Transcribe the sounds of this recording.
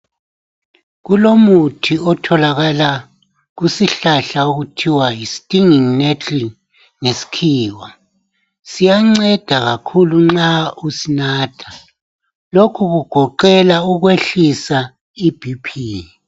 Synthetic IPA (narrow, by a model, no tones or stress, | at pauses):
ɣulomutʰiɔtʰɔlaɣala | ɣusiɬaɬauɣutʰiwajisi̥tʼiŋiŋnetʰi | ŋesi̥kʰiːwa | sijaŋ͡ǀɛd̥ʱaɣakʰuluŋ͡ǁausinaːtʰḁ | lokʰuɣuɡ̥ʱɔǃɛlauɣweɬisa | ib̥ʱipʰiː